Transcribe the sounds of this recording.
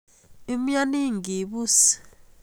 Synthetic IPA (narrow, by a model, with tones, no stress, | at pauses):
i˦m̩˦ɲa˦ni˦ŋɡi˨ɓu˦s